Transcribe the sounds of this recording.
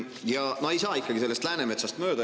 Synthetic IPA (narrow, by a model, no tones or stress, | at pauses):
jɑnohe̞jsɑːikːɑɡise̞lːest̪læːneme̞t̪sɑst̪mø̞ːd̪̥ɑ